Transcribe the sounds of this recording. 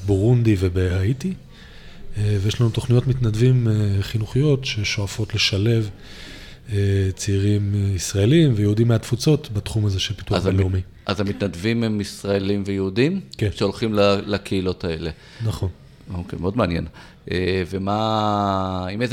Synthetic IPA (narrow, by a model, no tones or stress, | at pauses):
boʁund̪ivebehait̪i | evejɛʃlanut̪o̞χnijo̞tmit̪nadvimeχinuχijo̞tʃe̞ʃoafo̞tle̞ʃale̞v | et͡siːʁimisʁaelimvejeɛhud̪imːeat̪fut͡so̞tbat̪χumaze̞ʃelpituaazenomi | ʔazamit̪nadvimimisʁaelimvejeudimkenʃeolχimlalakʰeilo̞tae̞le̞ | naχon | okḛmeo̞d̪maanjḛn | ʔevema | imez